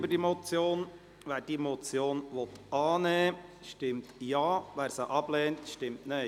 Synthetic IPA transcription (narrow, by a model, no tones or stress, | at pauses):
bədimot͡sjoːn | ʋæːɾd̥imot͡sjoːnʋɔt̪ʔɑːneːʃtɪmtjɑːʋæːɾsəʔɑb̥leːntʃtɪmtne